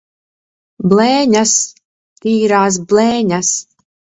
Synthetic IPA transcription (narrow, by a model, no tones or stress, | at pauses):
blɛːɲas | iːɾaːs̬blɛːɲas